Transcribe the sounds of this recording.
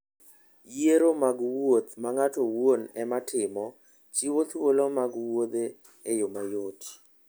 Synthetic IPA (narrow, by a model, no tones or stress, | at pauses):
jeɾomaɡwot̪maŋatowonɛmatʰɪmɔ | t͡ʃiwot̪wolomaɡwod̪e | ɛjomajoti̥